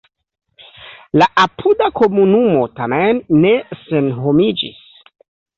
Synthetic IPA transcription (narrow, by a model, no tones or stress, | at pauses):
laʔapʰudako̞munumo̞tamenːesenho̞mid͡ʒḭs